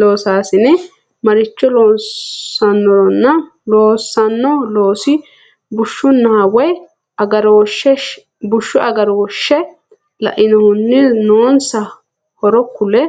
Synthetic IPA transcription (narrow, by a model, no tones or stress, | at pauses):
lo̞ːsaːsɪnɪ | mɐɾɪt͡ʃːɔloː | ɐnːɔɾɔnːɐ | loːsːɐnːɔloːsɪ | bʊʃːʊnːɐwɔj | ɐɡɐɾoːʃɛ | bʊʃːɔʔɐɡɐɾoːʃːɛ | lɐ̰ʔɪnɔhʊnːɪnoːnsɐ | hɔɾɔkːʊlɛ